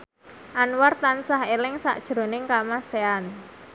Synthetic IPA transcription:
ʔanwart̪ansaɦelɪŋsa̰ʔd̥ʒ̥ɾo̤nɪŋkamasean

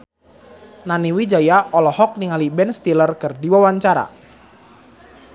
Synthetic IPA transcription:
naniwid͡ʒajaʔɔlɔhɔk̚niŋalibɛnst̪ilərkɨrdiwawaɲt͡ʃaɾa̰

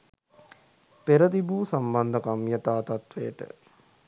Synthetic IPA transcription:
peɾəd̪ibuːsamband̪əkamjət̪aːt̪at̪ʋḛːəʈə̰

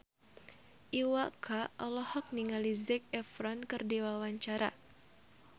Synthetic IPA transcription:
ʔiwakʰaɔlɔhɔk̚niŋalizɛk̚ɛfɾɔnkɨrdiwawaɲt͡ʃaɾʔa̰

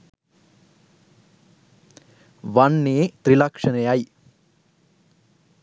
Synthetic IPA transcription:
ʋɐnːeːt̪ɾilɐkʂɐnejaːj

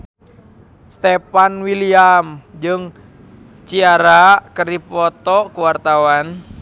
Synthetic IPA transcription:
st̪ɛpanwiliamd͡ʒɨŋ | t͡ʃiaɾakərdipɔt̪ɔkuwart̪awan

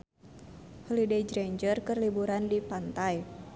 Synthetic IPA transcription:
hulided͡ʒɾeɲd͡ʒərkərlibuɾandipant̪aj

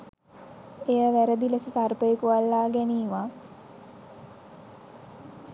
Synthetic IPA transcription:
ejəʋæɾəd̪iləsəsarpəjekuʋalːaːɡæniːʋa

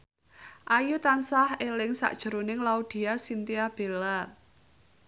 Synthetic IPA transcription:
ʔajut̪ansahelɪŋsa̰ʔd̥ʒ̥ə̤ɾonɪŋlaud̪̥i̤asint̪iab̥e̤la

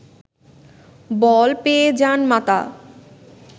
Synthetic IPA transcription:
bɔlpeed͡ʑanmat̪a̰

